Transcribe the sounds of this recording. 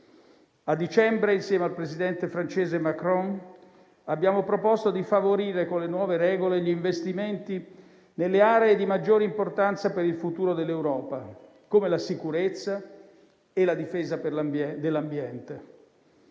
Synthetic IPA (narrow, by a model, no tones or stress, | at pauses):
ad̪ːit͡ʃɛmbɾeinsjɛːmealpɾezid̪ɛnt̪efɾant͡ʃeːzemakɾɔn | abːjaːmopɾopost̪od̪ifavoɾiːɾekonlenwɔːveɾɛːɡoleʎiɱvest̪iment̪i | nelːeaːɾeːd̪imad͡ʒːoːɾeimport̪ant̪sapeɾilfut̪uːɾod̪elːewɾɔːpa | komelasikuɾet̪sːa | elad̪ifeːzaperld̪elːambjɛnt̪e